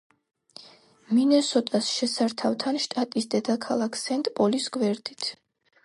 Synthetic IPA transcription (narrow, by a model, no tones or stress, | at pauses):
minɛsɔt̪ʼasʃɛsaɾt̪ʰavt̪ʰanʃt̪ʼat̪ʼisd̪ɛd̪akʰalˠakʰsɛnt̪ʼpʼɔlisɡwɛɾd̪it̪ʰ